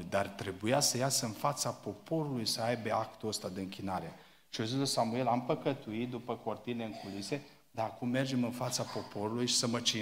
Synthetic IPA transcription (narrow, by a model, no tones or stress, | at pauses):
d̪art̪ɾe̞bujasəjasəɨnfat̪sapo̞po̞ɾulujsəajbe̞akt̪uəst̪ad̪e̞ɨŋkʲinaɾe̞ | ʃiozizosamue̞lampəkət̪uit̪̚d̪upəko̞rt̪ine̞ɨŋkulise̞ | d̪aakumːe̞rd͡ʒe̞mɨnfat̪sapo̞po̞ɾulujʃi̥səmət͡ʃi